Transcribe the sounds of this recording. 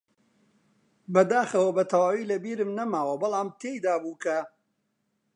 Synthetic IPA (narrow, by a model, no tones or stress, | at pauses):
bɐd̪aːxɐwɐbɐt̪ʰɐwaːwiːlɐbiːɾɨmnɐmaːwɐbɨlaːmt̪ʰeːjd̪aːbuːkɐ